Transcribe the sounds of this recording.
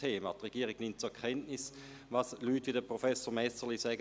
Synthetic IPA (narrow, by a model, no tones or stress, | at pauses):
eːmɑ̰tʁeɡ̥iːʁɪɡnɪmt̚t͡suɛɐkʰɛntnɪs | ʋɑslyːtʋidəpʁofɛsoʁmɛsəʁlisɛːɡ